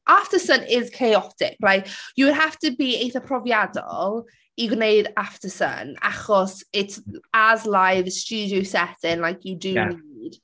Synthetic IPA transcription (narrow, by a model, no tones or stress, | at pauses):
ʔaftəsə̃nʔɪz̥kʰeɪɔtɪ̰k̚laɪkjəwəd̚ɦaftəbieɪθəpʰɹ̥ɔviadə̰l | iɡneɪdaftəsə̰na̰χɔsɪtsəzlaɪvst͡ʃʉːdioʊsɛtɪ̃ŋlaɪkʰjədəniːd̥